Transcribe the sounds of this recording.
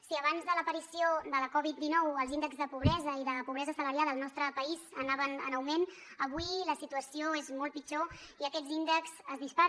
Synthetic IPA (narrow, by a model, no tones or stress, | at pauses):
siəβ̞anzðələpəɾisiod̪ələkɔβit̪̚d̪inɔwəlˠzinəkɡzðəpuβɾɛzəiðəpuβɾɛzəsələɾjalˠəlˠnɔst̪ɾəpəizənaβənə̰nəwmenəβuiləsit̪uəsioezmɔlˠt̪̚pid͡ʒoiəkɛd̪zind̪əkzəzðispa